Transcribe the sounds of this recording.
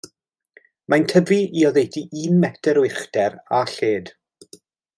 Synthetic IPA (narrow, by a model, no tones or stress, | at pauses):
majntʰəviiɔðejtiʔinmːɛtʰɛɾwɪχd̥ɛɾaɬeːd̥